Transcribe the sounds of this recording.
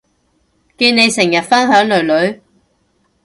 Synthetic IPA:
kiː˧ne˨˧jsɪ˨˩ŋjɐ˨t̚fɐ˥nhœː˨˥ŋlɵ˨˩ɥlɵ˨˥ɥ

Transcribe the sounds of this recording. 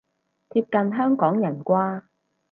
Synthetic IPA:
t̪ʰiː˧p̚kɐ˨˧nɦœː˥ŋkɔː˨˥ŋjɐ˨˩nkʷaː˥

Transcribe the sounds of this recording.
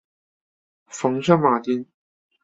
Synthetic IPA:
fɐ˨˥ŋsœ˥ŋmaː˨˩t̪i˥n

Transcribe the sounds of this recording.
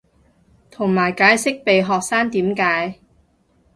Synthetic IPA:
t̪ʰʊ˨˩ŋmaː˨˩jkaː˨˥jsɪ˥k̚pe˨jɦɔː˨k̚saː˥ŋt̪iː˨˥mkaː˨˥j

